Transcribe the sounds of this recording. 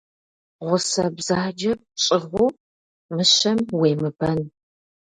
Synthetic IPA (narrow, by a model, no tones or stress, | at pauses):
ʁʷʊsɐbzaːd͡ʒɐp̚ɕʼɪʁʷʊ | mɨɕɐmweːmɨbɐn